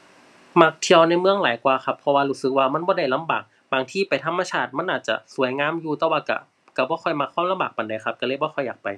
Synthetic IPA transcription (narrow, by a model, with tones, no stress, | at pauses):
ma˧˥˩k̚t̪ʰi˧əwna˧˥jmɯ˧˨əŋlaː˨˦jkwaː˧xʰa˧˥pʰːɔ˧waː˧luː˧˩sɯ˧˦k̚waː˧ma˧˥˨nbɔː˧˦da˥˩jla˧˨mbaː˨˩k̚ | baː˨˩ŋt̪ʰiː˧˩pa˨jt̪ʰa˧˥mːa˧t͡ɕʰaː˧˩t̪̚ma˧˥˨nʔaː˨˩t̪̚t͡ɕa̰˧su˨˦əjŋaː˧˥˨mjuː˧t̪ɛː˧˦waː˧ka̰˧˩ | ka˧˩bɔː˧˦xʰɔ˧˩jma˧˥kʰːwaː˧˥˨mla˧mbaː˨˩k̚pa˨˩nda˨˩jkxʰa˧p̚ka˧lɤː˧˥˨jbɔː˧˦xʰɔ˧˩jːaː˨˩k̚pa˨˩j